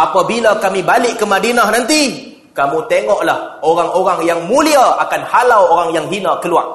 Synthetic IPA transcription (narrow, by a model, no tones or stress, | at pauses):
ʔapabilakamibalɪʔkəmadinahnant̪i | kamũt̪eŋɔʔlahoɾaŋoɾaŋjaŋmuliaakanhalawoɾaŋjaŋɦinakəluaʔ̚